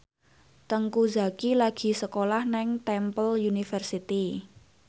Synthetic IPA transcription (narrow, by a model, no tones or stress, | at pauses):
t̪əŋkuza̤kilaɡ̥i̤səkolahnɛŋt̪ɛmpəljunifərsit̪i